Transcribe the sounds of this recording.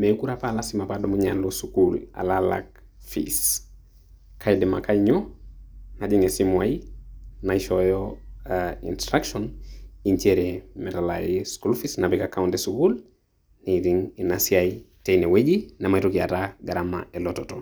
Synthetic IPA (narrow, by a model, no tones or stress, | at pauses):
mekuɾapalasimapadɔmuɲalosukula̰lala̰k | fḭs | kʰajdɛma̰kajɲɔ | nad͡ʒiŋesimwajinaiʃɔjɔ | ḭntɾakʃɔniɲt͡ʃɛɾemɛtala̰jiskulfisnabɛkakawuntesukul | niɾiŋinasiaitejnewed͡ʒinamajtokia̰taɡaɾama̰elɔtɔtɔ